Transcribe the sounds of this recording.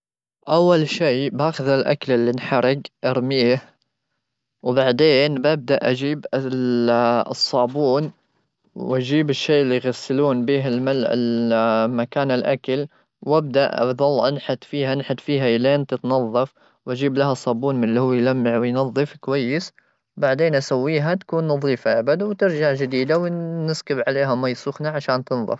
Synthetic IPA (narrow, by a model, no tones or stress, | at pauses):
ʔawːalʃeːbaːxʊðalʔa̰kalɪlːinħɑɾˤɑɡʔɑɾˤmiːh | wbaʕd̪eːnbʔab̚d̪aʔʔad͡ʒiːb | sˤːɑːbuːn | wʔad͡ʒiːbɪʃːeːʔɪlːijɣasːɪluːnbiːɦɪlmalɪ̰lmakaːnɪlʔakal | wʔab̚d̪aʔa̰ðˤɑlːʔanħat̪fiːɦanħat̪fiːɦaʔɪleːnt̪ɪt̪nɑðˤːɑf | wʔad͡ʒiːblaɦasˤːɑːbuːnmɪnlːihuːjlamːɪʕwjnɑðˤːɨfkwajːɪs | baʕd̪eːnʔasawːiːɦat̪ḁkuːnːɑðˤiːfaʔabad̪wt̪ɪɾd͡ʒaʕd͡ʒɪd̪iːd̪awnɪskɪbʕaleːɦamajsˤuːxnaʕaʃaːnt̪ɨnðˤɑ̰f